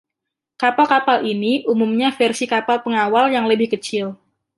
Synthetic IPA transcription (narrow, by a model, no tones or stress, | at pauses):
kapalkapaliniʔumumɲafɛrsikapalpəŋawaljaŋləbɪhkət͡ʃɪl